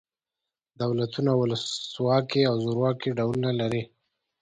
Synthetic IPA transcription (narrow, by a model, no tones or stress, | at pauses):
d̪awlat̪unawʊləswɑkiawzoɾwɑkiɖawlunalaɾi